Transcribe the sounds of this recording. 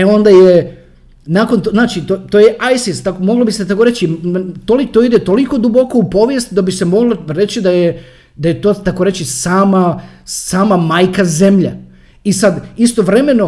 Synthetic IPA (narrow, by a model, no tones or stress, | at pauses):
eo̞nd̪aje | naːko̞nt̪oznaːt͡ʃit̪ot̪ojeʔajsist̪akomo̞ɡlˠobiset̪akoɾe̞t͡ɕit̪olit̪oid̪et̪o̞liko̞d̪ubo̞koupo̞ʋjest̪d̪abise̞mo̞ɡloɾe̞t͡ɕid̪aje | d̪ajet̪oːt̪ako̞ɾet͡ɕisaːma | saːmamajkaze̞mʎa | isad̪ist̪o̞ʋɾe̞me̞no̞